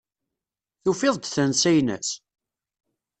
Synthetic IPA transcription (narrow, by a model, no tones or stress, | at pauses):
θufɪðˤd̪θænsæjnæ̰s